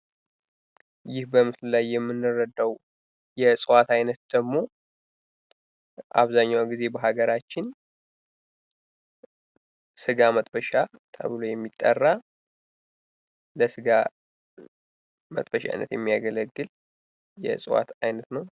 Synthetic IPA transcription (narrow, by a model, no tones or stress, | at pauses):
jɪhbəmɨsllajːɛmːɨnːɨrəd̪əw | jɛsʼɨwat̪ajnət̪̚d̪̥əɡmo̞ | ʔa̰βzaɲːawɡize̞bəɦaɡəɾat͡ʃːɪn | sɨɡamət̪ʼbəʃat̪ʰə̰βɨlojɛmːit̪ʼːə̰rːa | ləsɨɡa | mə̰t̪ʼbəʃa̰jnə̰t̪jɛ̰mːijaɡələɡːɨl | jɛ̰sʼɨwa̰t̪ajnət̪nəw